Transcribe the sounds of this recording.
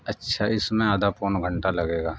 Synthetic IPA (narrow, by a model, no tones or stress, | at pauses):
ɐtːʃʰaɪsmẽaːd̪apoːnɡʱɐɳʈalɐɡeːɡaː